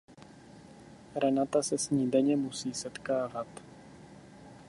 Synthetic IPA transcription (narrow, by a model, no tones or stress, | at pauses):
ɾɛnat̪asɛsɲiːdɛɲɛmusiːsɛt̪kaːvat̪